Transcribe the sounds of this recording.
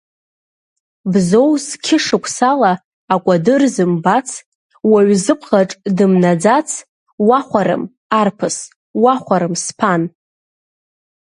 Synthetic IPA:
bzo̞wskʲʰɪʂɨkʷʼʰsalaː | kʷʼadɨrzɨmbat͡sʰ | waɥzɨpʰχaʈ͡ʂʼdɨmnad͡zat͡sʰ | waχʷaɾɨ̰m | arpʰɨs | waχʷaɾɨmspʰan

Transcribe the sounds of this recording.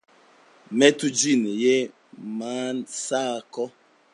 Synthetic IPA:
metud͡ʒineje | mansakɔ

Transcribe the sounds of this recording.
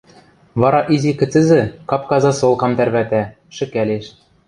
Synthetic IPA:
βɑɾɑʔizikɘ̆t͡sɘ̆zɘ̆kɑpkɑzɑsolˠkɑmt̪æɾβæt̪æ | ʃɘ̆kælʲeʃ

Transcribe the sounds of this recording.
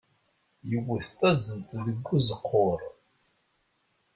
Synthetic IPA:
jəwəθt̪ːæzənt̪ðəɡʷːuzəqʰːʊɾˤ

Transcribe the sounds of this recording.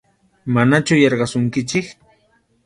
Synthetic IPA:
manat͡ʃʊjɑɾɢɑsʊŋkɪt͡ʃɪk

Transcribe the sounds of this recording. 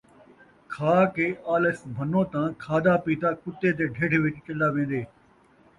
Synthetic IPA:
kʰaːkeːʔaːləsbʱənːõːt̪ãːkʰaːd̪aːpiːt̪aːkʊt̪ːeːt̪̬eːɖʱeːɽʋɪt͡ʃt͡ʃəlaːʋẽːn̆d̪eː

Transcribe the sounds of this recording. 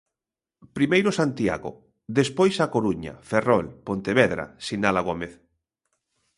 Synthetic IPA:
pɾimejɾosant̪ia̰ɣo̰ | d̪espojsakoɾuɲa̰ferɔlpont̪eβɛðɾa̰sinalaɣ̞omeθ

